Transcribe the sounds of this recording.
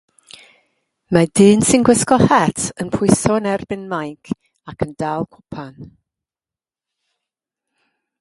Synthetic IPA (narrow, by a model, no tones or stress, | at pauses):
madɨːnsɪnɡwɪskɔhɛtʰənpʰʊɨsɔənɛrbɪnmajkʰ | akʰəndalˠkʰʊpʰan